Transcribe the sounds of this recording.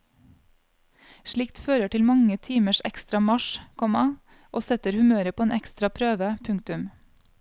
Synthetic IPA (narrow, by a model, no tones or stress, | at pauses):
ʃɭɪkt̪føːɾəʈɪlmɑŋət̪ʰiːməʃɛ̰kst̪ɾɑmɑʃkʰɔmɑ | ʔoːsɛt̪əɾhʉmøːɾəpoːeːnʔɛkst̪ɾɑpʰɾøːʋəpʰʉŋ̚t̪ʉm